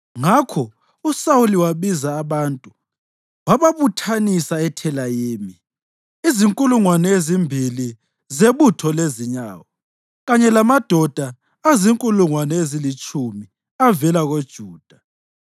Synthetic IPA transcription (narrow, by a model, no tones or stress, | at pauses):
ŋakʰɔ | usawuliwaβizaːβantʼu | waβaβutʰanisaɛtʰɛlajeːmi | iziŋkʼuluŋwanɛezimbʱili | zeβutʰɔleziɲa̰ːwɔ | ɣaɲɛlamad̥ʱɔd̥ʱa | aziŋkʼuluŋwanɛezilit͡ʃʼumi | avɛlaɣod̥ʒ̥ʱuːd̥ʱa